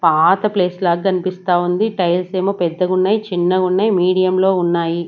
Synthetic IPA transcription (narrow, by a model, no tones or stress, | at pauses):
paːt̪ɐple̞ːslaːɡɐkʰɐnipist̪aːund̪iʈɐjlse̞ːmoːpɛd̪ːɐɡunːaːjit͡ʃinːɐɡunːaːjimiːɽijɐmlo̞ːunːaːji